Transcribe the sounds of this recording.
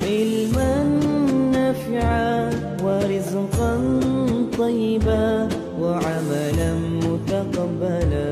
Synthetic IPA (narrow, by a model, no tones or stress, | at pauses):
ʕɪlmanːaːfɪʕa | wɪɾɪzqɑnt̪ˤɑjːɪba | waʕamalanmʊt̪aqɑbːala